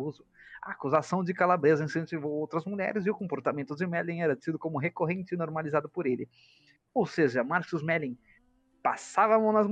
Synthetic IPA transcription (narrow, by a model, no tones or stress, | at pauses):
uzʊɐ̰akuzasɐ̃w̃d͡ʒɪkalabɾezɐĩsẽt͡ʃivowowt̪ɾɐzmuʎɛ̰ɾɪzɪʊkõmpoɾt̪amẽnt̪ʊd͡ʒɪmɛlĩɛɾɐsid̪ʊkõmʊɦekoɦẽnt͡ʃɪɪnoɾmalizad̪ʊpoɾelɪ̰ | owseʒɐmaɾsʊzmɛlĩ | pasavɐmɐ̃nɐzm